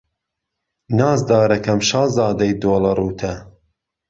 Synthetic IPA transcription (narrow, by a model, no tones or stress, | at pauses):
nɑːzd̪ɑːɾɐkɐmʃɑːzɑːd̪ɐjd̪oːlɐruːt̪ʰɐ